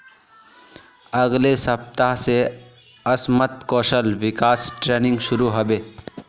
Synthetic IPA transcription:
ɐɡlesɐp̚t̪aɦse | ɐsmət̪kɔːʃəlʋɪkaːsʈɾeːnɪ̃ŋɡʃʊɾuɦobeː

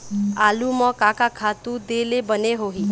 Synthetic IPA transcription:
alumɔkakakʰat̪ud̪elebəneɦoɦĩ

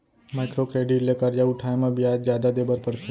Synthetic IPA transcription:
majkɾokɾeɖiʈlekəɾd͡ʒauʈʰaːjmãbʱiad͡ʒd͡ʒjaːd̪ad̪ebəɾpəɽt̪ʰe

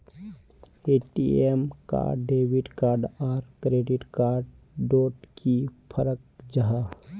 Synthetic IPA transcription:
eːʈḭemka̰ːɖeːʋiʈkaːɾɖɔːɾkɾeːɖɪʈkaːɾɖ | ɖoːʈkipʰəɾək̚d͡ʒaɦa

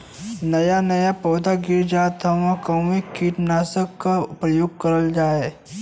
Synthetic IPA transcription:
nɐjanɐjapɔːd̪aɡɪɾd͡ʒaːt̪ʰɐʋãkɐmikʰːiːʈnaːsəkːaʊpɾɐjoɡ̚kɐɾəld͡ʒaːe

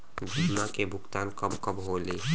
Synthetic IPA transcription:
d͡ʒʱimakebʱʊɡt̪aːnkəbkəbɦoleː

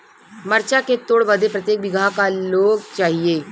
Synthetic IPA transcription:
mɐɾt͡ʃaket̪oːɽbɐd̪ʱepɾɐt̪jeːk̚bɪɡʱaɦkaloːɡt͡ʃaːɦieː

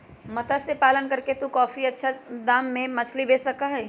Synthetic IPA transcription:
mɐt̪əsepaːlənkɐɾket̪ukɔːfiɐtːʃʰad̪aːmːẽmɐt͡ʃʰlibeːsɐkaɦɛː

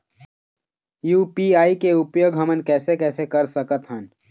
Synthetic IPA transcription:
juːpiaːikeʊpjoːɡʱɦəmənkɛːsekɛːsekɐɾsəkət̪ɦən

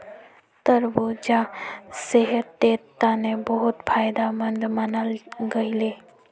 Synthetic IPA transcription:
t̪əɾbod͡ʒaseɦət̪ːeːt̪ːanebəɦʊt̪pʰaːjd̪amənd̪ʱmənəlɡəileː

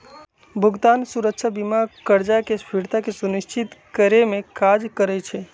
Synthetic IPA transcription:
bʱʊɡt̪aːnsuɾəkʃʰabimakəɾd͡ʒakespʰiɾt̪akesunɪʃt͡ʃɪt̪kəɾemẽkaːd͡ʒkəɾɛt͡ʃʰe

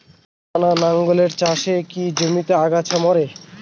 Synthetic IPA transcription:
ananaŋɡoleɾt͡ɕaʃekid͡ʑomit̪eaɡat͡ɕʰamɔɾe

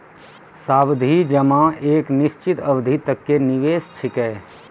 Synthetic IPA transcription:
saːbd̪ʱid͡ʒɐmãeːknɪʃt͡ʃɪt̪əʋd̪ʱit̪əkːenɪʋeːst̪ʰɪkɛː

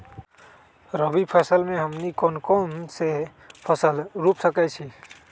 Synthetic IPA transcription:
ɾəbipʰəsəlmeɦəmnikonkonse | pʰəsəlɾupsəkɛt͡ʃʰi

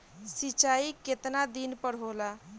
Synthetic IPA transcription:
sit͡ʃaiket̪nad̪inpəɽɦola

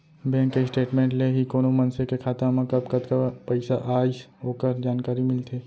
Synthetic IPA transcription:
bɛ̃ːŋkesʈeːʈmẽːɳʈleɦikoːnomɐnsekekʰaːt̪amɐ̃kɐbkɐd̪kapɐɪsaʔaːisɦoːkəɾd͡ʒaːnkaːɾimɪlt̪ʰeː

